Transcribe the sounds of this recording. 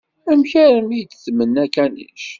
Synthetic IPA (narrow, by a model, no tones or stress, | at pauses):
æmçæɾəmijt͡sːθmənːækænḭʃ